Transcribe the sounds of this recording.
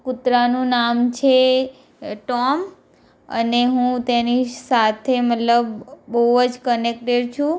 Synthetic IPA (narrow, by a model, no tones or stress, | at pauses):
kut̪ɾanũnamt͡ʃʰe | ʈɔm | ə̰neɦũt̪enisat̪ʰemət̪ləbːəɦuəd͡ʒkənek̚ʈeɖt͡ʃʰũ